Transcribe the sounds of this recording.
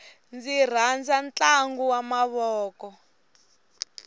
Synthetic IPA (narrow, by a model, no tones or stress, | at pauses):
nd͡zir̤and͡zant͡ɬʼaŋɡuwamaβɔːkɔ